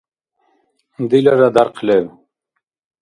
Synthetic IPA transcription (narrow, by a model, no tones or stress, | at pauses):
d̪ilaɾad̪aɾqʰlew